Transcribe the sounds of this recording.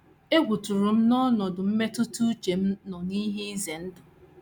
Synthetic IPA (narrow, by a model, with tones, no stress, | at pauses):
e˦ɡʷu˨tu˨ɾʊ˨m̩˦nɔ˦nɔ˨dʊ˨m̩˦me˦tʊ˦tu˦t͡ʃe˨m̩˦nɔ˨ni˦ɦe˦i˦ze˨n̩˦dʊ˨